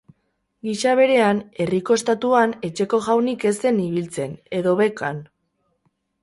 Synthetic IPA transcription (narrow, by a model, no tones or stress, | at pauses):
ɡiʃaβe̞ɾe̞ane̞riko̞est̪at̪uane̞t͡ʃe̞ko̞ɣawnike̞se̞niβilt͡se̞ne̞ðo̞βe̞kan